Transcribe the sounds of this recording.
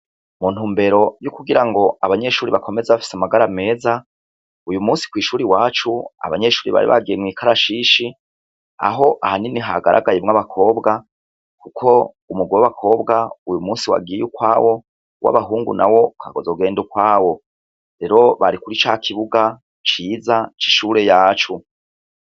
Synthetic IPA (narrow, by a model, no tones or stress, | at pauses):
mun̥huːmbe̞ɾo̞jukuɡiɾaŋɡo̞aβaɲe̞ʃuːɾiβakʰo̞me̞zeβafi̥samaɡaɾame̞ːza | ujumuːsi̥kwiːʃuːɾiwaːt͡ʃua̰βa̰ɲe̞ʃuːɾiβa̰ɾḭβa̰ɡijemŋiːkʰaɾaʃiːʃi | a̰ɦo̞ʔahaniniɦaɡaɾʔa̰ɡajemŋaβakʰo̞ːbɡa | kukʰo̞ | umuɡwaβakʰo̞ːbɡaujumuːnsiwa̰ɡiejukwaːwo̞ | wʔa̰βaɦuːŋɡṵnawo̞kʰaɡozoɡe̞ːndukwaːwo̞ | ɾe̞ɾo̞βaɾikuɾit͡ʃaːkʰiβuɡa | t͡ʃiːzat͡ʃi̥ʃuːɾe̞jaːt͡ʃu